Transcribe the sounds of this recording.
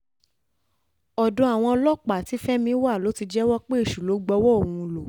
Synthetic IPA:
ɔ˨dɔ̃˨˧a˨w̃ɔ̃˧ɔ˧lɔ˦k͡pa˨ti˨˦fɛ˦mĩ˧˦wa˦˨lo˨˦ti˧d͡ʒɛ˦wɔ˦k͡pe˦e˦˨ʃu˨lo˨˦ɡ͡bɔ˧˦wɔ˦o˨w̃ũ˧lo˨

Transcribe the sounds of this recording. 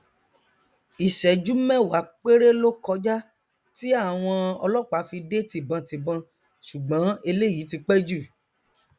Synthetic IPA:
i˨ʃɛ˨d͡ʒu˨˦mɛ̃˦˨wa˨˦k͡pe˦ɾe˦lo˦kɔ˧d͡ʒa˦ | ti˦a˦˨w̃ɔ̃˧ɔ̰˧lɔ˦˨k͡pa˨˦fi˧de˦ti˨bã˧ti˨bã˧ | ʃu˨ɡ͡bã˨˦e˧le˦ji˨˦ti˧k͡pɛ˦d͡ʒu˦˨

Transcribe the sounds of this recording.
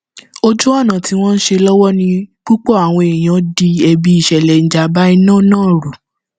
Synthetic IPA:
o˧d͡ʒu˦ɔ˦˨nã˨ti˧w̃ɔ̃˦n̩˦ʃe˧lɔ˦wɔ˦nĩ˧k͡pu˦k͡pɔ˦˨a˨w̃ɔ̃˧e˨j̃ã˨˦di˧ɛ˧bi˧˦i˨ʃɛ˨lɛ˨n̩˨d͡ʒa˨˦ba˦i˧nãː˦˨nãː˦˨ɾu˨

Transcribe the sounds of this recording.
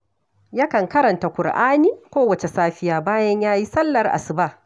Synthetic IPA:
ja˦kɐ˨ŋkɐ˦ɾɐ˨nta˨kʷʊ˨rʔaː˦niː˦kʷoː˦wɐ˨t͡ʃe˨saː˦ɸɪ˦jaː˨baː˦jɐ˦ɲjaː˦ji˦sɐ˦lːɐ˨rʔa̰˨sɪ˨ba˦˨

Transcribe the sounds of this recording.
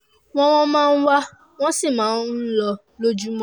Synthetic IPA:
w̃ɔ̃˦w̃ɔ̃˦mãː˦˧n̩˦wa˦ | w̃ɔ̃˦si˦˨mãː˨˦n̩˦lɔ˧ | lo˦d͡ʒu˦mɔ̃˦

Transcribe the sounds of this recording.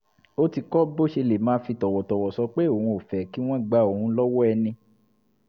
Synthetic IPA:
o˦ti˧kɔ˦bo˦ʃe˧le˨mãː˨˦fi˧tɔ˨wɔ˨tɔ˨wɔ˨sɔ˧˦k͡pe˦o˨hũ˧o˨fɛ˨ki˦w̃ɔ̃˦ɡ͡ba˧˦o˨hũ˧˦lɔ˦wɔ˦ɛ˧nĩ˧

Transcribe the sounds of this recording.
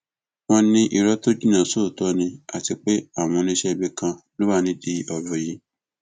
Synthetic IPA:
w̃ɔ̃˧nĩ˦ʔi˧ɾɔ˦to˦d͡ʒu˦nã˨so˦˨tɔ˨˦nĩ˧a˨ti˧k͡pe˦a˦˨w̃ɔ̃˧nĩ˦ʃɛ˦˧bi˦kã˧lũ˦a˦˨nĩ˨˦di˧˦ɔ˨bɔ˨ji˨˦

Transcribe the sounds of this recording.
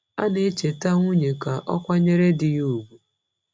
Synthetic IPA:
a̰˦ne˦t͡ʃe˨ta˦ŋʷu˦ɲe˨ka˨ʔɔ̰˦kʷa˦ɲe˦ɾe˦dɪ˨ju˨bu˨

